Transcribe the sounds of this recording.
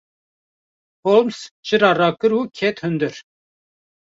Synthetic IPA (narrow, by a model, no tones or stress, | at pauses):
holmst͡ʃɨɾɑːrɑːkɨɾuːkʰɛt̪hɨnd̪ɨɾ